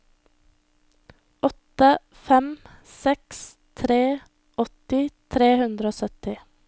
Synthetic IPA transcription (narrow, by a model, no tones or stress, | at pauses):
ɔt̪ə | fɛmsɛks | t̪ʰɾeː | ʔɔt̪ɪt̪ʰɾeːhʉnd̪ɾəoːsœt̪ɪ